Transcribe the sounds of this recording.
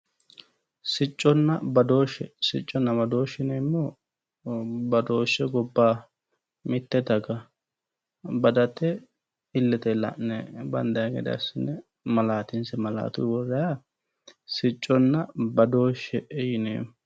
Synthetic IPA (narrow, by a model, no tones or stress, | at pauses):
sɪt͡ʃʼːɔnːɐbɐd̪o̞ːʃːɛsɪt͡ʃʼːɔnːɐmɐd̪o̞ːʃːɪneːmːɔ | bɐd̪o̞ːʃːɛɡɔbːaː | mɪt̪ːɛd̪ɐɡɐ | bɐd̪ɐt̪ːɛ | ɪlːɛt̪ɛlɐ̰ʔnɛbɐnd̪ɐjɡɛ̰d̪ɐ̰sɪnːɛ | mɐlaːt̪ɪnsɛmɐla̰ːt̪ṵwɔrːɛja | sɪt͡ʃʼːɔnːɐbɐd̪o̞ːʃːɛʔɛjɪnḛː